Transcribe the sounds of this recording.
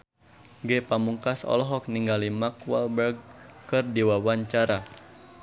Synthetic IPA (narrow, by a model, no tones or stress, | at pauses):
ɡɛpamuŋkasɔ̰lɔɦɔk̚niŋɡalimakwa̰lbɛrɡ̚kɨrdiwawaɲt͡ʃaɾa